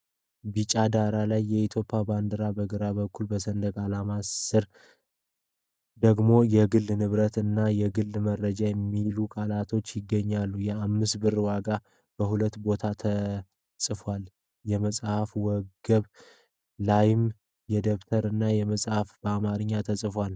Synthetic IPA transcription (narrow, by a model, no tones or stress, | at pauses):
bit͡ʃʼad̪aɾalajːɛit̪ʰjo̞pʼːjaband̪ɨɾabəɡɨɾaβəkːulbəsənd̪əɡʼalamasɨɾ | d̪əɡmo̞jɛɡɨlːnɨβɾət̪ɨnːajɛɡɨlːmərːəd͡ʒajɛmːilukʼalat̪ʰo̞t͡ʃːjɪɡːəɲːalːujɛamːɨsbɨɾwaɡa | b̥əhulət̪ːbo̞t̪ʰat̪ʰə | sʼɨfwal | jɛməsʼhafwɔɡəβ | lajɪm | jɛd̪əβt̪ʰəɾɨnːajɛməsʼhafb̥əamaɾɨɲːat̪ʰəsʼɨfwal